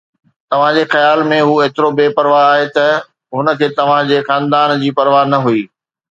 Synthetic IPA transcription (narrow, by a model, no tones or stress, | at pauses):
t̪ɐʋ̤ãd͡ʑexɐjaːlmẽɦuːeːt̪ɪɾobeːpɐɾʋaaːɦet̪ɐ | ɦʊnə̆kʰeːt̪ɐʋ̤ãd͡ʑeːxãːnd̪aːnd͡ʑiːpɐɾʋaːɦnɐɦuiː